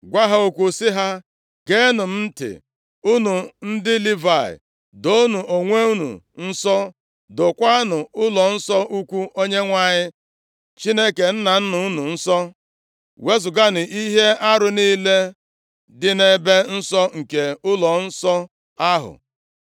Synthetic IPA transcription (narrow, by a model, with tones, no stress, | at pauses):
ɡʷa˦ɦa˦o˨kʷu˦sɪ˦ɦa˦ | ɡe˦nʊ˨m̩˦m̩˦tɪ̰˨ | u˦nu˨n̩˦dɪ˦li˦va˨ɪ̰˨ | do˦nu˨ʔo˨ŋʷe˦u˦nṵ˨n̩˦sɔ˦ | dʊ˨kʷa˦nʊ˨ʊ˦lɔ˨n̩˦sɔ˦ʔu˦kʷu˦ʔo˦ɲe˦ŋʷa˨ɲɪ˦ | t͡ʃi˦ne˦ke˨n̩˦na˨n̩˦nʊ˨u˦nu˨n̩˦sɔ˦ | we˦zʊ˨ɡa˦nʊ˨i˦ɦe˦a˦ɾʊ˨niː˦le˦ | dɪ˦ne˦be˦n̩˦sɔ˦ŋ̩˨ke˨ʊ˦lɔ˨n̩˦sɔ˦ | a˦ɦʊ̰˨